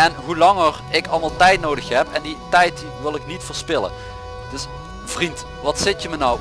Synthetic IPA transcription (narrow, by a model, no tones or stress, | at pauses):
ɛnɦulɑŋər | ɪkɑlˠmɑlˠtɛjtnowdəxɦɛpɛnditɛjt | ʋɪlˠɪknitfəːɹspɪlə̰ | d̥ɵs | v̥rint | ʋɑtsɪtjəmənaw